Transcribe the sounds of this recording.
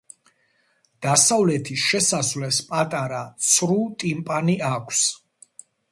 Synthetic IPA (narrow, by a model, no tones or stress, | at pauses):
d̪̥asavlɛt̪ʰiʃɛsasvlɛspʼat̪ʼaɾat̪sʰɾut̪ʼimpʼaniakʰs